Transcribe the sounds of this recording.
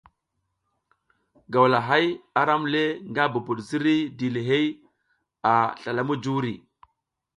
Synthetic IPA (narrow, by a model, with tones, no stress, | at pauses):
ɡa˨wla˨ɦa˦ja˨ɾa˦mle˦ŋɡa˦bu˨bu˨ɗzi˦ɾi˦di˨le˨ɦe˦j | a˨ɬa˨la˦mu˦d͡ʒu˦ɾi˨